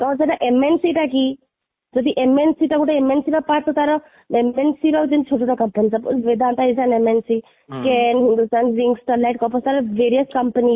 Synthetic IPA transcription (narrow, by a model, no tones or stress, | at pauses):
kɔɔsaʈaʔemensiʈaki | d͡ʒɔd̪iʔemensiʈakuʈaemensiɾɔpaɾt̪ɔt̪aɾɔ | emensiɾɔt̪init͡ʃʰoʈoʈɔkɐmpənisapṵʋed̪ʱant̪aizanemensi | kɛnɦind̪ust̪aːnɾiŋksʈɔlajʈ̚kɔpɔst̪aɾɔʋeɾiəskɐmpəni